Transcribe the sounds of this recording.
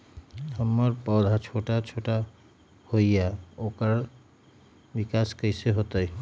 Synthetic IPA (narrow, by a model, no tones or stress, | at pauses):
həmːəɾpɔːd̪ʱat͡ʃʰoʈat͡ʃʰoʈa | hoijaokəɾ | bikaskəɪseɦot̪əj